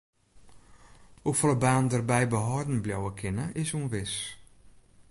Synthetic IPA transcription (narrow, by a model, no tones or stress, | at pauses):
ufɔləbaːndərbɛjbəɦɔːdn̩bljɔwəkʰɪnəʔɪsunʋɪs